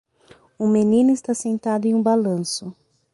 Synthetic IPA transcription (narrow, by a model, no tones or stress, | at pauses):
ʊ̃menĩnʊɪst̪asẽnt̪ad̪ʊẽũbalɐ̃sʊ